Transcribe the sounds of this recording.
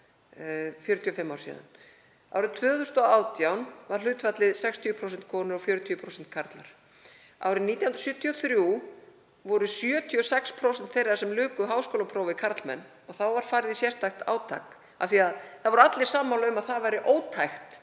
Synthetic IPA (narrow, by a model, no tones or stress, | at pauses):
fjʏɾʏt̪ʰiɔfɪmːaw̥sḭːða̰n | a̰wɾɪt̪ʰvœːθʏst̪ɔaːwt̪jawnvaɾ̥l̥ʏːt̪vat̪lɪðsɛkst̪ʰiːpʰɾowsɛnt̪̚kʰɔːnʏɾɔfjʏːɾʏt̪ʰiːpʰɾowsɛnt̪̚kʰaɾt̪la̰ɾ̥ | a̰wɾɪniːt̪jawhnɾ̥sjʏt̪ʰiɔθɾju | vɔɾʏsjœːt̪ʰiɔsɛkspʰɾowsɛn̥t̪θejɾaɾsɛmlʏːkʏɦawskoːlapʰɾowvɪkʰaɾt̪lmɛ̰nː | ɔɣθawvaɾ̥faːɾɪðisjɛst̪ajxt̪a̰ːwt̪ʰa̰k | ḁθiaðθaðvɔɾat̪lɪ̥saːmːawlʏmaðθaðvajɾɪʔoːwt̪ʰajxt̪